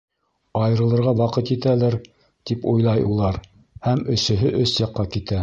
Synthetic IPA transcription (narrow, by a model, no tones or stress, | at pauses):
ɑjɤ̆ɾɤ̆lˠɤ̆ɾʁɑwɑqɤt̪it̪ælæɾ | t̪ipujlˠɑjulˠɑɾ | hæmɵ̆sɵ̆ɦɵʔɵsjɑqːɑkit̪æ